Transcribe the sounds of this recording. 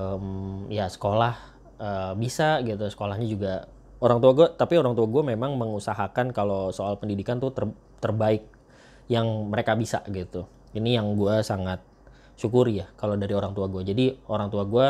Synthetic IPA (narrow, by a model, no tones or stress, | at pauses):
əmjasə̥kolah | əbisaɡit̪usə̥kolahɲad͡ʒuɡa | oɾaŋt̪uaɡuat̪apioɾaŋt̪uaɡuamemaŋməŋusaɦakankalosoalpəndidikant̪ʊt̪ər | t̪ərbaɪk̚ | jaŋməɾekabisa̰ɡit̪u | inijaŋɡuasaŋat̪̚ | ʃukʊɾjakalodaɾioɾaŋt̪uaɡuad͡ʒadioɾaŋt̪uaɡua